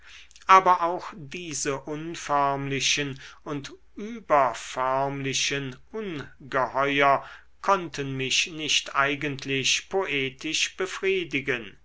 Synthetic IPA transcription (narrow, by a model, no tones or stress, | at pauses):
ʔaːbɐʔaʊxd̥iːzəʔʊnfœɐmlɪʃənʊntʔyːbɐfœɐmlɪʃənʔʊnɡəhɔʏɐ | kʰɔntənmɪʃnɪʃtʔaɪɡəntʰlɪʃpʰoʔeːtɪʃb̥əfʁ̥iːdɪɡən